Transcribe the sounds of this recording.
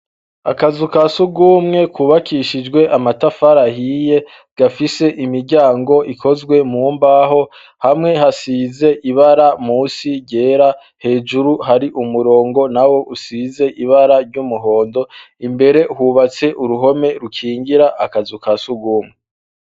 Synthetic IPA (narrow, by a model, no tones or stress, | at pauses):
a̰kazukasuɡumŋe̞kʰuːβakʰiʃid͡ʒɡwe̞ʔamatafaɾahije̞ | ɡ̥afise̞ʔimiɾɟaːŋɡo̞ʔikʰo̞zɡwe̞muːmbaɦo̞ | hamŋe̞ɦasiːze̞ʔiβaɾamuːsiɟe̞ːɾa | he̞ːd͡ʒuɾuɦaɾiʔumuɾo̞ːŋɡo̞nawo̞ʔusize̞ʔiβaɾaɾɟumuɦo̞ːndo̞ | imbe̞ɾe̞huːβat͡se̞ʔuɾuɦo̞me̞ɾukʰiːŋɡiɾaʔakazukasuɡuːmŋe